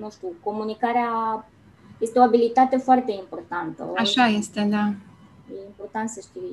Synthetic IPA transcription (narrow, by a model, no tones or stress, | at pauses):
nũʃt̪uko̞munikaɾea | je̞st̪eoabilit̪at̪e̞foart̪e̞impo̞rt̪ant̪ə̰aʃaje̞st̪e̞d̪a | jeimpo̞rt̪ant̪səʃt̪i